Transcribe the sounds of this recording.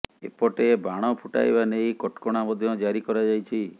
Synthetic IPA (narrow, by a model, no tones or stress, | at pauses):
ḛpɔʈebaɽ̃ɔpʰuʈa̰jbanejkɔʈkɔɽ̃amɔd̪ʱjɔd͡ʒaɾikɔɾad͡ʒajt͡ʃʰi